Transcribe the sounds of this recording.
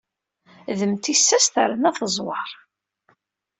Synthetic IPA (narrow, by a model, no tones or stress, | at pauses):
ðəmt̪isːæst̪ə̰ɾənæθəzˤwɑɾˤ